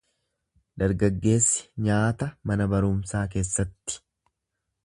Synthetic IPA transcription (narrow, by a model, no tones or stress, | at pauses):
d̪ɐɾɡɐɡːe̞ːsːɪ̥ɲaːt̪ɐmɐnɐbɐɾʊmsaːk̬e̞ːsːɐt̪ːɪ̥